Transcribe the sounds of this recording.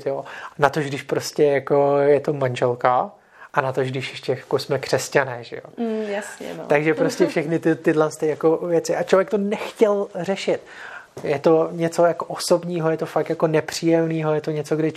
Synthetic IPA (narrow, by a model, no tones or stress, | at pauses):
t̪joːnat̪oʒɡdɪʃpɾo̞scɛjakojɛt̪o̞manʒɛlka | ʔanat̪oʒɡdɪʃjɛʃcɛjakosmɛkr̝̥ɛscanɛːʒɛ̰jo̰jasɲɛ̰aɡʒɛpɾoscɛffʃɛxnɪt̪ɪt̪ɪdlɛnst̪ɪjako̞vjɛt͡sɪʔat͡ʃlovjɛk̚t̪onɛxcɛlr̝ɛʃɪt̪jɛt̪o̞ɲɛt͡so̞jakoʔoso̞bɲiːɦojɛt̪o̞fak̚t̪jako̞nɛpr̝̥iːjɛmniːɦo̞jɛt̪oɲɛt͡so̞ɡdɪ